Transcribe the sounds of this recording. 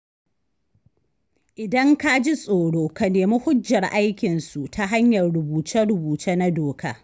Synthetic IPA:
ʔɪ˨dɐ˦ŋka˦d͡ʒi˦sʼoː˨ɽoː˦ka˨neː˨mi˦hʊ˦d͡ʒːɐ˨rʔa˦jkʲɪ˨nsu˨tʰa˦ɦa˦ɲjɐ˨rɽʊ˨buː˨t͡ʃɐ˦ɽʊ˨buː˨te˦na˦doː˨kʰa̰ː˦

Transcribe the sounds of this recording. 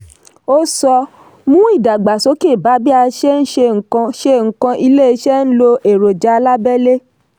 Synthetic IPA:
o˦sɔ˧ | mũ˦i˦˨da˨ɡ͡ba˨so˨˦ki˦˨ba˨˦bi˦a˧ʃe˦n̩˦ʃe˧ŋ̩˨kã˧ʃe˧ŋ̩˨kã˧ʔi˧le˦i˧ʃɛ˦n̩˦lo˧ʔe˨ɾo˨d͡ʒa˨˦a˧la˦bɛ˦le˦

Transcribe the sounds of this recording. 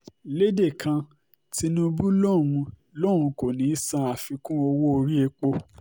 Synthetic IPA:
le˦de˦˨kʰã˧ | ti˧nũ˧bu˦lɔ˦˨ɾ̃ũ˧ | lɔ˦˨ɾ̃ũ˧ko˨nĩ˨˦sã˧a˨fi˧kũ˦o˧wo˦o˧ɾi˦e˧k͡po˧

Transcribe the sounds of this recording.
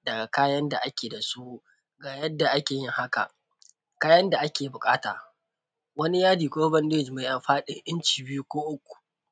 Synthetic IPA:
dɐ˨ɡa˨kaː˦jɐ˦nda˨ʔa˦kʲeː˨da˨su˦ | ɡaː˨jɐ˦dːa˨ʔa˦kʲeː˨jɪ˦ŋha˦ka̰˨ | kaː˦jɐ˦nda˨ʔa˦kʲeː˨bʊ˨kʼaː˦ta̰ː˨ | wɐ˦ni˦jaː˦diː˨kʷoː˦bɐ˦ndɪ˦d͡ʒma˨ʔa˨mɸaː˦ɗɪ˦ŋʔɪ˦nt͡ʃiː˨bɪ˦u˦kʷoː˦ʔʊ˦kʷːu̥˨

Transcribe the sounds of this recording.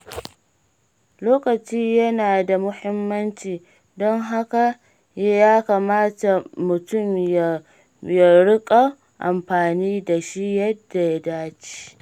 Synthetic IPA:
loː˦kɐ˨t͡ʃiː˦jɐ˦naː˨da˨mʊ˦hɪ˦mːɐ˦nt͡ʃiː˨ | dɔ˦ŋɦa˦ka˨ | ja˦jaː˦kaː˨maː˦ta˨mʊ˨tʊ˦˨mja˨ | ja˨ɽʊ˦kʼa˨ | ʔa˨mɸaː˨niː˦da˨ʃi˦jɐ˦dːa˨ja˦daː˦t͡ʃi̥˦˨

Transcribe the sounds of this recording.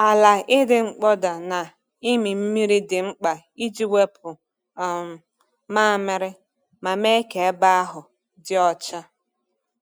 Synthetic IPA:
a˨la˨ɪ˦dɪ˦ŋ͡m̩˦k͡pɔ˦da˨na˨ | i˦mi˨m̩˦mi˦ɾi˦dɪ˨ŋ͡m̩˦k͡pa˨ | i˦d͡ʒi˦we˦pʊ˨ | maː˦˨mɪ˦ɾɪ˦ | ma˨me˦ke˨e˦ba˦a˦ɦʊ˨ | dɪ˦ɔ˨t͡ʃa˦

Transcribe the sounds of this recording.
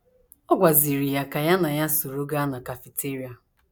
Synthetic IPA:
ɔ˦ɡʷa˨zi˨ɾi˨ja˨ka˨ja˦na˨ja˦so˨ɾo˦ɡa˦na˨ka˨fi˨te˦ɾi˦a˨

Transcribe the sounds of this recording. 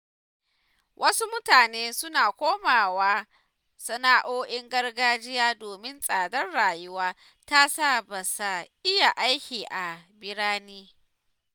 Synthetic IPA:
wʔɐ˦su˦mʊ˦taː˨neː˦sʊ˦naː˨kʷoː˦maː˨waː˦ | sɐ˦naː˦ʔoː˦ʔɪ˦ŋɡɐ˦rɡaː˦d͡ʒɪ˦jaː˦doː˨mɪ˦nsʼaː˨dɐ˦rɽaː˨jʊ˦waː˦ | ta˦sa˦˨ba˨sa˨ʔɪ˦ja˨ʔa˦jkʲiː˨ʔa˨bɪ˦ɽaː˦niː˦

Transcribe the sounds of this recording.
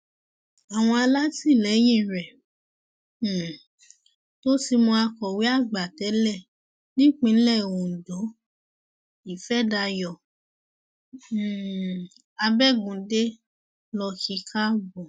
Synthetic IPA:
a˨w̃ɔ̃˧a˧la˦ti˦˨lɛ˨˦j̃ĩ˦˨ɾɛ˨ | to˦ti˧mõ˧a˧kɔ˨we˨˦a˦˨ɡ͡ba˨tɛ˨˦lɛ˦˨ | nĩ˦k͡pĩ˧˦lɛ˦˨õ˨do˨˦ | i˨fɛ˦da˧jɔ˨ | a˧bɛ˦ɡũ˨de˦ | lɔ˧ki˧kʰa˦bɔ˨

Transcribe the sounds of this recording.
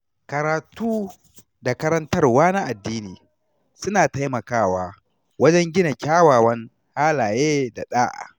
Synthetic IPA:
kɐ˨ɾaː˨tuː˦ | da˨kɐ˦ɾɐ˦ntɐ˦rwaː˦na˦ʔa˨dːiː˦niː˨ | sʊ˦naː˨ta˦jmɐ˨kaː˦waː˦ | wɐ˦d͡ʒɛ˦ŋɡʲɪ˦na˨kʲaː˦waː˨wɐ˦ŋ | haː˦laː˨jeː˦da˨ɗaː˦ʔa̰ː˨

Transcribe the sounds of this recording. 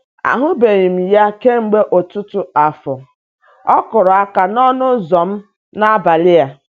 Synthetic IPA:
a̰˨ɦʊ˦be˨ɣi˨m̩˨ja˦ke˦ŋ͡m̩˨ɡ͡be˦ʔo˨tʊ˦tʊ˨a˨fʊ˨ | ɔ˦kʊ˨ɾʊ˨a˦ka˨nɔ˦nʊ˦zɔ˨m̩˦ | na˦ba˨lɪ˦a˦

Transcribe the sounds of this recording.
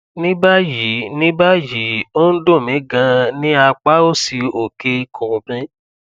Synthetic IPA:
nĩ˦ba˦ji˨˦nĩ˦ba˦ji˨˦o˦n̩˦do˦˨mĩ˨˦ɡã˧nĩ˦a˧k͡pa˦o˦si˧o˨ke˧kʰõ˨bɛ̃˦

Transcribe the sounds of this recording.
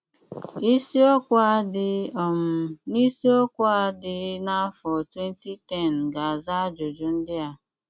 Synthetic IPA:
i˦si˦ɔ˦kʷa˦dɪ˨ɔ˨m˨ni˦si˦o˦kʷa˦dɪ˨na˦fɔ˨twe˦n˦ti˦tɛ˦˨n̩˨ɡa˨a˨za˦d͡ʒo˨d͡ʒu˨n̩˦dɪ˦a˨

